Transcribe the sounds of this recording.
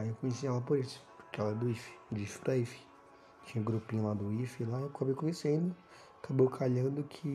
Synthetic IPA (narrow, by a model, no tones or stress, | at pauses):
ewkõjesialapʊɾesʊ̥pʊ̥ɾkeɛlɛɾɐd̪ʊifi̥d͡ʒifi̥pɾaifi̥ | t͡ʃĩɲɐɡɾupĩɲɐlad̪ʊifilakabejkõjesẽd̪ʊ | akʰabowkʰaʎɐ̃d̪ʊkʰɪ